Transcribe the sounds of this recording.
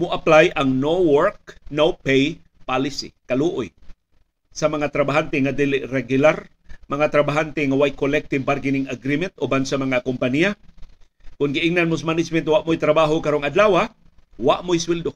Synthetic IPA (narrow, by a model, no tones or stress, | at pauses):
mʊʔaplajʔaŋnowoɹk̚nowpej | palɪsḭkaluʔʊj | sɐmɐŋat̪ɾabaɦant̪ɛŋad̪ilɪʔɾɛɡʊlaɾ | mɐŋat̪ɾabaɦant̪ɛŋawajkolɛk̚t̪ɪvbaɾɡɪnɪŋaɡɾimɛnt̪ʔobansamɐŋakompanija | kʊnɡɪʔɪŋnanmosamanɪd͡ʒmɛnt̪waʔmojt̪ɾabaːɦokaɾoŋad̪laːwa | waʔmʊjswild̪o